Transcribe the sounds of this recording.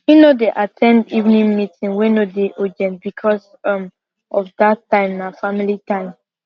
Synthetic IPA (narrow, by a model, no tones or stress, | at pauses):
winodeʔatʰɛ̃ndivnĩŋmitĩŋwinodeʔod͡ʒɛ̃ntbikʰɔs | ʌ̃m | ɔfdatːãɪ̃mːafamilitãɪ̃m